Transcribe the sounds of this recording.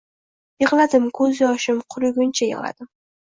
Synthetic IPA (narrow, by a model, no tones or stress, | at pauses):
jɨʁlˠad̪ɪmkʰɵzjɒʃɪmqʰʊɾʊɡʲʊnt͡ʃʰajɨ̰ʁlˠa̰d̪̥ɪm